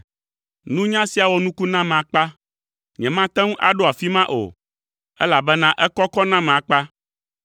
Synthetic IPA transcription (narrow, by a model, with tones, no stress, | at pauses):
nũ˦ɲã˦si˨a˨wo˨nũ˦ku˦nã˦mẽ˨a˨k͡pa˦ | ɲɛ̃˨mã˦t̪ɛ̃˦ŋũ˦ʔa̰˨ɖo˦a˨fi˦mã˦ʔo̰˨ | ɛ˦la˨bɛ˦nã˦ʔɛ˦kɔ˦kɔ˦nã˦mɛ̃˨a˨k͡pa˦